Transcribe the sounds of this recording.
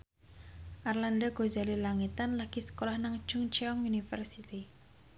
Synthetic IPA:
ʔarlandaɡ̥o̤zalilaŋit̪anlaɡ̥isə̥kolahnaŋd̥d͡ʒ̥ʊŋt͡ʃeɔŋunifərsit̪i

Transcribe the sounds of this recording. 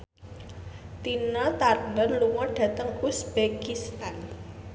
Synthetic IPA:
t̪inɔt̪arnənluŋɔɖ̥ä̤t̪əŋusb̥ekist̪an

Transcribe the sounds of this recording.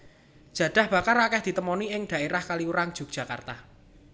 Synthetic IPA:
d̥ʒ̥ä̤d̪̥ä̤hb̥a̤kaɾakɛhd̪̥i̤t̪əmɔniɪŋɖ̪̥ä̤eɾahkaliuɾaŋd̥ʒ̥ṳk̚dʒ̥ä̤ka̰rt̪a

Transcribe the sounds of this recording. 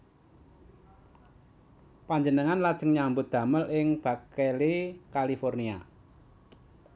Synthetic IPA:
paɲd͡ʒənəŋanlad̥ʒ̥ə̤ŋɲambʊt̪̚d̪̥ä̤məlʔɪŋb̥ä̤kelikalifɔrnia̰

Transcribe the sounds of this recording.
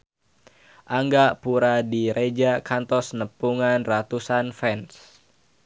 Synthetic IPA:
ʔaŋɡapuɾadiɾed͡ʒakant̪ɔsnəpuŋanrat̪usanfɛns

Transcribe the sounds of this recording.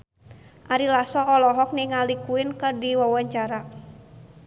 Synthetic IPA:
ʔaɾilasɔɔlɔɦɔk̚niŋalikuɪnkərdiwawaɲt͡ʃaɾa

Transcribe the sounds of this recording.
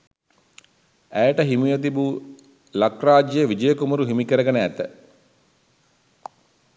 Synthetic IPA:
æjəʈəɦimijət̪̬ibu | lakraːd͡ʒjejəʋid͡ʒəjəkumɐɾuɦimikəɾəɡənəæt̪ə

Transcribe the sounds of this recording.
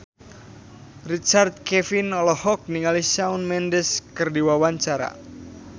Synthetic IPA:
rit͡ʃart̪̚kɛfinɔlɔhɔk̚niŋalisaunmɛndəskərdiwawaɲt͡ʃaɾa̰

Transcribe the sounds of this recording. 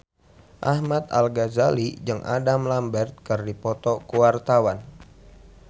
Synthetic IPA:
ʔahmat̪a̰lɡazalid͡ʒɨŋʔa̰damlambɛrt̪̚kɨrdipɔt̪ɔkuwart̪awan

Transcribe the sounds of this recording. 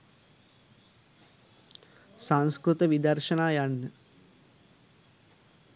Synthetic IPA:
saŋskɾut̪ɐʋid̪ɐrʃɐnaːjanːə

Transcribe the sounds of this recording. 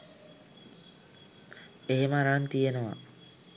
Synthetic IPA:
eɦeməaɾant̪ijenəʋa̰

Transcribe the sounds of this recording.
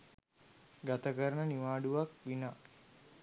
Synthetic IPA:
ɡat̪əkəɾənəniʋaːɖuʋakʋina

